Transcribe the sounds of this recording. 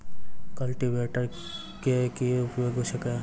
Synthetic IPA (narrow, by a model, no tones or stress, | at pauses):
kɐlʈiʋeːʈəɾ | kekiʊpjoːɡɦoʃɐke